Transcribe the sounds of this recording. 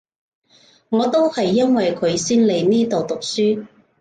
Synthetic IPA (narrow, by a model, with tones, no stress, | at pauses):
ŋɔː˨˧t̪o˥whɐ˨jːɐ˥nwɐ˨jkʰɵ˨˧ɥsiː˥nle˨˧jniː˥t̪o˨wt̪ʊ˨k̚syː˥